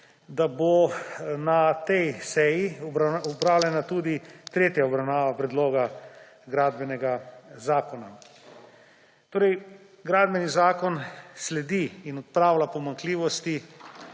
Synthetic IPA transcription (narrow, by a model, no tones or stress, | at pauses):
d̪abonat̪ɛjsɛjiɔbaɔpɾaːwlʲɛnat̪uːd̪it̪ɾeːt̪jaɔbɾawnaːʋapɾɛd̪loːɡa | ɡɾaːd̪bɛnɛɡazaːkɔna | t̪oːɾɛj | ɡɾaːd̪bɛnizaːkɔnslɛd̪iːnɔt̪̚pɾaːwlapɔmaŋkliːʋɔst̪i